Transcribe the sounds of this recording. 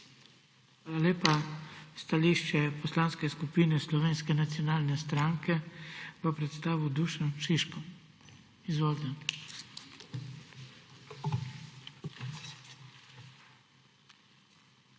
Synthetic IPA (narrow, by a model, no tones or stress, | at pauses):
xaːlaleːpast̪aliːʃt͡ʃɛpɔslaːnskɛskupiːnɛslɔʋeːnskɛnat̪sjɔnaːlnɛst̪ɾaŋkʰɛʋəpɾɛt̪st̪aːʋud̪uːʃanʃiʃkɔm | izʋoːlt̪ɛ